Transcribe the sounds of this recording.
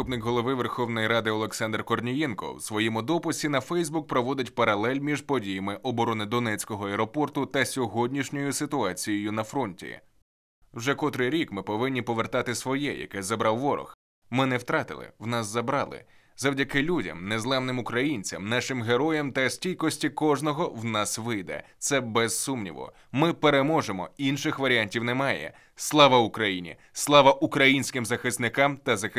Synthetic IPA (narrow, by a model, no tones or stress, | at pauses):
upnɪkɦɔlˠɔʋɪʋerxɔwnɔjiɾɑd̪ɪɔlˠeksɑnd̪rkɔrnʲijɛnkɔ̰wsʋɔjimʊd̪ɔpʊsʲinɐfɛjzbuk̚pɾɔʋɔd̪ʲɪtʲpɐɾɐlˠɛlʲmʲiʒpɔdʲijɐmɪʔɔbɔɾɔnɪd̪ɔnɛt͡sʲkɔɦɔɐɛɾɔpɔrt̪ʊt̪ɐsʲɔɦɔdʲnʲiʃnʲɔjʊsɪt̪ʊɑt͡sʲijɔjʊnɐfɾɔnʲtʲḭ | wʒɛkɔt̪ɾɪɾʲikmɪpɔʋɪnʲːipɔʋert̪ɑt̪ɪsʋɔjɛ̰jɐ̰kɛzɐbɾɑwʋɔɾɔ̰x | mɪnɛwt̪ɾɑt̪ɪ̰lˠɪ̰wnɑszɐbɾɑ̰lˠɪ̰ | zɐwdʲɐkɪlʲudʲɐ̰mnezlˠɛmnɪmʊkɾɐjinʲt͡sʲɐ̰mnɑʃɪmɦeɾɔjɛmt̪ɐsʲtʲilʲkɔsʲtʲikɔʒnɔɦɔwnɑsʋɪjd̪ɛ̰t̪sɛbɛzsumnʲḭʋʊ̰ | mɪpeɾemɔʒemɔ̰inʃɪxʋɐɾʲianʲtʲiwnɛmɑjɛ̰ | slˠɑʋɐʊkɾɐjinʲḭ | slˠɑʋɐʔukɾɐjinʲsʲkɪmzɐxɪst̪nɪkɑmt̪ɐzɐxɪ